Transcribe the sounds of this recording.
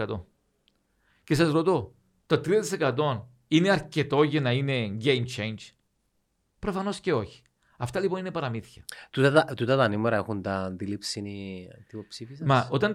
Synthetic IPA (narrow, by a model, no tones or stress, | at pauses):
ɐt̪o | cesɐzɾot̪o | t̪ot̪ɾiɐt̪ise̞kɐt̪o̞n | ine̞ɐɾce̞t̪o̞ʝɐnɐine̞ɟejmt͡ʃe̞jnd͡ʒ | pɾo̞fɐno̞sce̞o̞çi̥ | ɐft̪ɐlipo̞nine̞pɐɾɐmiθçɐt̪ut̪ɐt̪ɐt̪ut̪ɐt̪ɐnimeɾɐexunt̪ɐnd̪ilipsinit̪ipopsifisɐmɐo̞t̪ɐn